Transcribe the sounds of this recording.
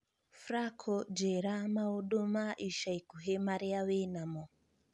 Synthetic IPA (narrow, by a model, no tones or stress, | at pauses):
fɾakʰɔd͡ʒɛɾamauɗomaʔiʃaikuɦemaɾiawenamɔ